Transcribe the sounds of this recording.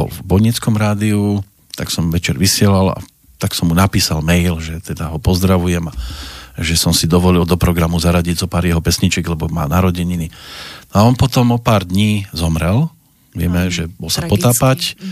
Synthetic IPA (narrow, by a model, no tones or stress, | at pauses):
ɔ̰vbɔɲit͡skɔmɾaːd̪iu | t̪a̰ksɔmʋɛt͡ʃɛɾʋisɪɛlala̰ | t̪aksɔmːunapiːsalmɛjlʒɛt̪ɛd̪aɦɔpɔzd̪ɾaʋujɛmaʒɛsɔmsid̪ɔʋɔlild̪ɔpɾɔɡɾamuzaɾaɟiɟzɔpaːɾjɛɦɔpɛsɲit͡ʃɛɡlɛbɔma̰ːnaɾɔɟɛɲininɔaɔnpɔt̪ɔmɔpaːɾd̪ɲiːzɔmɾɛl | ʋɪɛmɛʒɛbɔlsapɔt̪aːpac